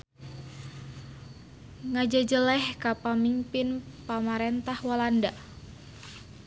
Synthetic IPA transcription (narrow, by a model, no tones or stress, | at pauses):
ŋad͡ʒad͡ʒəlɛhkapamimpɪnpamaɾɛnt̪ahwalanda